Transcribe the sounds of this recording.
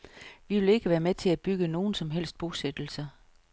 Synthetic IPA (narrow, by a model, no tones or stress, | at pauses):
ʋiʋe̝le̝ɡ̥əʋæːɐmet͡sʰe̝læ̥b̥yɡ̥əno̝ːn̩sɒ̽mɦel̰sd̥̚b̥o̝sed̥l̩sɐ